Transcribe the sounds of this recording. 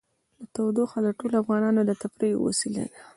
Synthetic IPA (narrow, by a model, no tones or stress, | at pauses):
lat̪awd̪oxad̪əʈolafɣɑnɑnod̪ət̪apɾejo̰wa̰sila̰d̪a